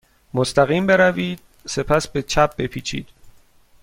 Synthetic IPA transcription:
most̪æɣiːmbe̞ɾæviːd̪̥̚ | se̞pʰæsbe̞t͡ʃʰæb̚be̞pʰiːt͡ʃʰḭːd̪̥

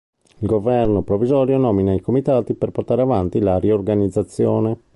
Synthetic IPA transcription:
ilɡovɛrnopɾovːizɔːɾjonɔːminaikomit̪aːt̪iperport̪aːɾeavant̪ilaɾiorɡanid̪zːat̪sːjoːne

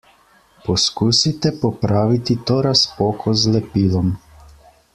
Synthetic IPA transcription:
pɔskuːsit̪ɛpɔpɾaːʋit̪it̪oːɾaspoːkʰɔzlɛpiːlɔm

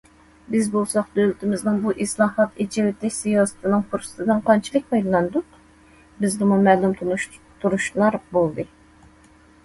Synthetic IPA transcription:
bɪzbolˠsɑqd̪ølɪt̪ʰɪmɪznɨŋbuʔɪslˠɑːhɑt̪et͡ʃʰewɪt̪ʰːɛkʲsijɑːsɨ̥t̪ʰɨnɨŋfoɾsɨ̥t̪ʰɨd̪ɨnqʰɑnt͡ʃʰilˠɨk̚ʲmɑjllˠɑnd̪ut̪ | bɪzd̪ɪmumɛːlˠumt̪ʰ | t̪ʰːuɾuʃlˠɑɾbolˠd̪ɨ

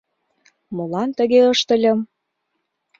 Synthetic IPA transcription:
molɑnt̪ə̆ɣeɤʃt̪ə̆lʲə̆m

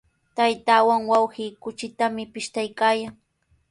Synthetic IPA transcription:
t̪ajt̪aːwaŋwawhiːkʊt͡ʃɪt̪amɪpɪʃt̪ajkaːjaŋ

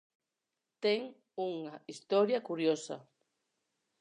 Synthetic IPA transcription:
t̪eŋ | uŋaist̪ɔɾjɐkuɾjosɐ̰

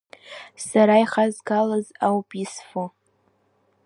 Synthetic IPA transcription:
saɾaiχazɡalazawpʼisfo

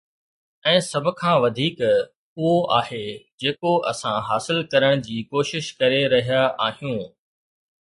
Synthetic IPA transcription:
ɛ̃ːsɐbʱʊ̆kʰãːʋɐd̪ʱiːk | ʊɦoʔaːhed͡ʑeːkoʔɐ̰sãɦaːsɪlkɐɾəɽ̃d͡ʑiːkoːʃɪʃkɐɾeɾɐɦijaʔaːɦijũː

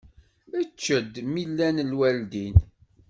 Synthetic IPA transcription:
æt͡ʃːəd̪milːænlwæld̪in

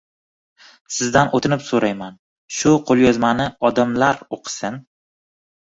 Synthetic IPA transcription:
sɪzd̪anʔot̪ʰɪnɪpsoɾajman | ʃʊqʰolˠjɒzmanɪɒd̪amlaɾoqʰɨ̥sɪn

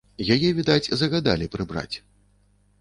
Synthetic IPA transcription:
jajɛvʲid̪at͡sʲzɐɣad̪a̰lʲipɾɨbɾa̰t͡sʲ

